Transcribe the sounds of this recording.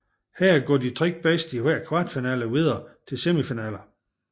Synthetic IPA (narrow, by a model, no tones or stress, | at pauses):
hæɐ̰ɡ̥ɒ̰ːdit͡sʰʁeɡ̥̚b̥ɛsd̥iʋæɐ̰kʰʋɑ̈ːd̥finɛ̰ːləʋið̞ˠɐt͡sʰe̝lsemifinɛ̰ːlɐ